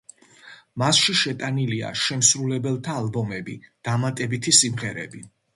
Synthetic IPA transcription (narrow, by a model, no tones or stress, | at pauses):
masʃiʃɛt̪ʼanilia̰ʃɛmsɾulɛbɛlˠt̪ʰaːlˠbɔmɛbid̪̥amat̪ʼɛbit̪ʰisimʁɛɾɛ̰bi